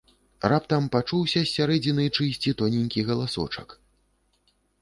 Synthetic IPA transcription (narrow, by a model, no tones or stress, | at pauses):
rapt̪ɐmpat͡ʂuwsʲɐsʲːaɾɛd͡zʲinɨt͡ʂɨsʲt͡sʲit̪ɔnʲinʲkʲiɣɐlˠasɔ̰t͡ʂɐk